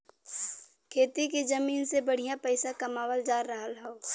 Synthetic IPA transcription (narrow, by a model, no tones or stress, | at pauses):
kʰeːt̪iked͡ʒəmiːnsebəɽ̤ijãpəɪsakɐmaːwəld͡ʒaːɾːəɦəlɦəo